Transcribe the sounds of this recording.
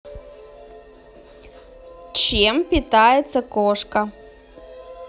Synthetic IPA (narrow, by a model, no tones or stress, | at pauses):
t͡ʃempʲit̪ajɛt̪sɐkoʂkɐ